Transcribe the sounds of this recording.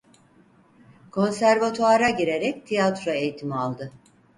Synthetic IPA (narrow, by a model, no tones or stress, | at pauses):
kʰo̞nsæɾvat̪ʰoaɾaɟiɾe̞ɾɛc̚t̪ʰijat̪ɾo̞ejit̪ʰimialˠd̪ɯ